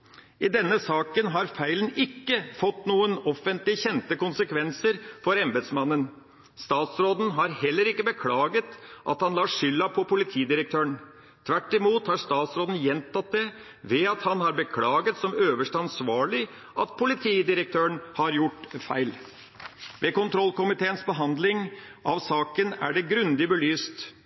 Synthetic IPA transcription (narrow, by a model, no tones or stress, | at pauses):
ɪd̪ɛnːəsɑːkənɦɑɾfæɪlənɪkːəfɔt̪ːnuːənɔfənt̪lɪçɛnt̪əkʊnsəkʰʋɛnsəɾfɔɾɛmbəd̪smɑnːən | st̪ɑːt̪sɾoːd̪n̩ɦɑɾhɛlːəɾɪkːəbəkʰlɑːɡət̪ʔɑ̰t̪hɑnlɑːʂʏlːɑpʰɔpʰʊlɪt̪ʰiːd̪ɪɾək̚t̪ʰøːəɳ | t̪ʰʋæʈːɪmuːt̪hɑɾʂt̪ɑːt̪sɾoːd̪n̩jɛnt̪ʰɑt̪̚d̪ɛ | ʋɛɑt̪hɑnhɑɾbəkʰlɑːɡət̪sɔmøːʋəʂʈəɑnsʋɑːɭɪ | ʔɑt̪pʰʊlɪt̪ʰiːd̪ɪɾək̚t̪ʰøːəɳhɑɾjʊʈːfæɪl | ʋekʊnt̪ʰɾɔlkʊmɪt̪ʰeːənsbəɦɑnd̪lɪŋ | ʔɑʋsɑːkənæ̰ɖɛɡɾʉnd̪ɪbəlyːst̪